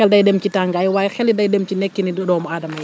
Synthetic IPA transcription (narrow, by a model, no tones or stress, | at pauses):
ɛldɐjdɛmcitaŋɡɐjwaːjxɛlidɐjdɛmt͡ʃinɛkːinidɔdɔːmɔaːdɐmɐj